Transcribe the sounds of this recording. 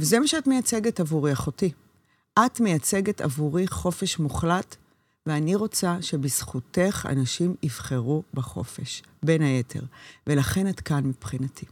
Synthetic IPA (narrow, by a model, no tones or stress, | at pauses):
vezemaʃeatmejat͡se̞ɡetavuʁiaχoti | ʔatme̞jat͡se̞ɡeta̰vuʁiχo̞feʃmuχlat | veaniʁo̞t͡saʃe̞bisχute̞χa̰naʃimivχeʁubaχo̞̰fe̞̰ʃ | be̞nhaje̞tʰe̞̰ʁve̞laχe̞natkanmipχinatʰi